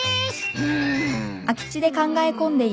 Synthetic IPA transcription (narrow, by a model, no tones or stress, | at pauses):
akʲi̥t͡ɕid̪e̞kãŋɡaekõ̞nd̪e̞